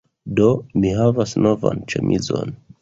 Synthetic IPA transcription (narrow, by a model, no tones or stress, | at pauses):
do̞miɦavasno̞va̰nt͡ʃemʔizon